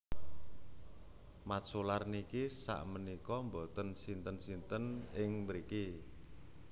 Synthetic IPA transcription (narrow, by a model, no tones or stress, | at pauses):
masolarnikisa̰ʔmənikɔmbɔt̪ənsint̪ənsint̪ənɪŋməɾiki